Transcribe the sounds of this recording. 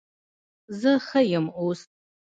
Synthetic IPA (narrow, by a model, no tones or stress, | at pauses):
zɨχɐjɪmustʼ